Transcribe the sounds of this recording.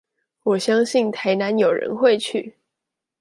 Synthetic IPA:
wɔ˨˩ɕjɑ˥ŋɕi˥˩nt̪ʰa˨˧˥ɪna˨˦njo˨˩ʊɻə̰˧˦nxwe˥˧ɪt͡ɕʰy̰˥˨

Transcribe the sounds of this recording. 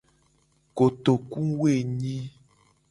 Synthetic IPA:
ko˨t̪o˨ku˦we˦˨ɲĩ˦

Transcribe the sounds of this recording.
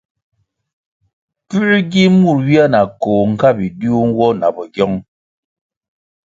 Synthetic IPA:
pʉ˦ʔɡi˦mu˦˨ɾwi˦a˦na˨koː˨ŋ̩˨ka˦bi˨du˦u˦ŋ˦wɔ˦na˨bɔ˨ɡjɔ˦ŋ

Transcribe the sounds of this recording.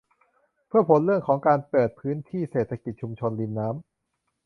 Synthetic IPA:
pʰɯ˥˩ɐpʰo˩˦nɾɯ˥˩əŋkʰɔː˩˦ŋkaː˧npɤː˨˩t̪̚pʰɯː˦˥nt̪ʰiː˥˩seː˨˩t̪ʰːa˧ki˨˩t̪̚t͡ɕʰu˧mt͡ɕʰo˧nli˧nːaː˦˥m

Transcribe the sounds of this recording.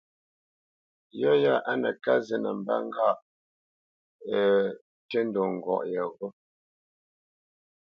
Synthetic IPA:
jɔ˦ja˦ʔa˦nə˨ka˦zɛ˦nə˨m˨ba̰˦ŋ˦ɡa˦˨ʔ | tɛ˦n˦dɔ˨ŋ̩˨ɡwɔ̰˨ʔjə˨ɣɔ˦

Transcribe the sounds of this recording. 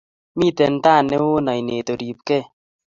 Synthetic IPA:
mi˦˨t̪ɛ˨n˦t̪a˦˨ne˦wo˦nɔ˨jne˨t̪o˨ɾi˨p̚kɛ˦˨

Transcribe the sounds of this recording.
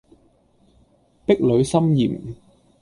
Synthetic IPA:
pɪ˥k̚lɵ˨˧ɥsɐ˥mjiː˨˩m

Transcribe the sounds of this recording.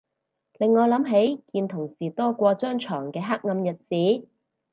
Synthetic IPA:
lɪ˨ŋːɔː˨˧lɐ˨˥mɦe˨˥jkiː˧nt̪ʰʊ˨˩ŋsiː˨˩t̪ɔː˥kʷɔː˧t͡sœː˥ŋt͡ʃʰɔː˨˩ŋkɛː˧ɦa˥k̚ŋɐ˧mjɐ˨t̚t͡siː˨˥

